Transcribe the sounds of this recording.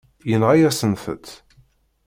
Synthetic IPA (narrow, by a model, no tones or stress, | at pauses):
jənʁajæsənθə̰t̪